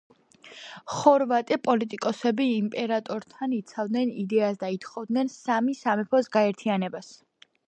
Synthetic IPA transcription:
χɔɾvat̪ʼipʼɔlit̪ʼikʼɔsɛbiːmpʼɛɾat̪ʼɔɾt̪ʰanit̪sʰavd̪nɛnid̪ɛasd̪ait̪χɔvd̪nɛnsamisamɛpʰɔsɡaɛɾt̪ʰianɛbas

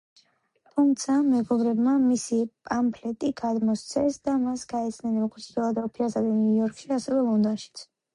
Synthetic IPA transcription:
t̪ʰumt̪sʰamɛɡɔvɾɛbmamisipʼampʰlɛt̪ʼiɡ̥ad̪mɔst̪sʰɛsd̪amasɡaɛt̪sʰnɛnmɔkʰusʰifilˠad̪ɔpʰiasad̪ɛnjujɔɾkʰʃiasɛvɛlˠɔnd̪ɔnʃi̥t̪sʰ

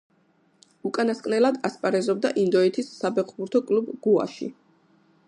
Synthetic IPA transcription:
ukʼanaskʼnɛlad̪aspʼaɾɛzɔb̚d̪aʔind̪ɔɛt̪ʰisːabɛqʰbuɾt̪ʰɔkʼlubɡua̰ʃḭ

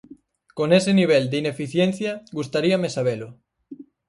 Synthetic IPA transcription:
koneseniβ̞eld̪einefiθjen̟θjaɡust̪aɾiamesaβ̞elʊ

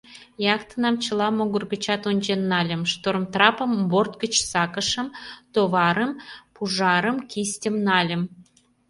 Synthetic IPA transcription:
jɑkt̪ənɑmt͡ɕə̆lɑmoɣərɣət͡ɕɑt̪onʲd͡ʑenːɑlʲə̆mʃt̪oɾəmt̪rɑpəmbort̪̚ɡət͡ɕsɑkə̆ʃə̆mt̪oβɑɾəmpuʒɑɾə̆mkisʲtʲəmnɑlʲə̆m

